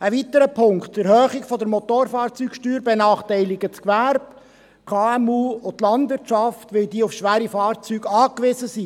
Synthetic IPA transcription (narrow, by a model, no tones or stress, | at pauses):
əʋit̪əɾəpʰʊŋktːɛɾhœːχɪɡfɔdəɾmɔt̪oɾfɑːɾt͡syːkʃtyːɾbenɑːχtaɪlɪɡət͡skʋæɾb̥ | kʰɑːɛmuːʊtlɑndʋɪɾt͡ʃɑftʋɪldiːəʊfʃʋæːɾifɑːɾt͡syːɡɑːkʋɪzəsi